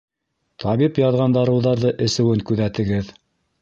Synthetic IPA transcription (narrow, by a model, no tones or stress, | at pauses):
t̪ʰɑβipjɑðʁɑnd̪ɑɾɤ̆wðɑɾðɤʔɘ̆sɘ̆wɘŋkʉðæt̪ɘ̆ɡɘð